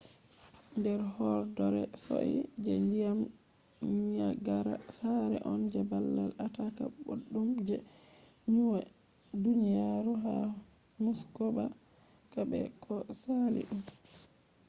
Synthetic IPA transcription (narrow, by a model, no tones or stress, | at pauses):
ndɛɾhɔɾdɔɾɛso̰ʔḭd͡ʒɛndijam | ɲaɡaɾasaɾɛʔɔnd͡ʒɛbalːalataka̰boɗːumd͡ʒɛ | ɲuwa | dunijaɾuɦa | muskɔba | kabɛ̰kʰɔsalḭɗum